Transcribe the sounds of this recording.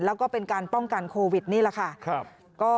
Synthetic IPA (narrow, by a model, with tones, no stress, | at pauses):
lɛː˦˥wkɔː˥˩pe˧nkaː˧npɔ˥˩ŋka˧nkʰoː˧wi˨˩t̪̚niː˥˩la˨˩kʰa˥˩˧ | kɔː˥˩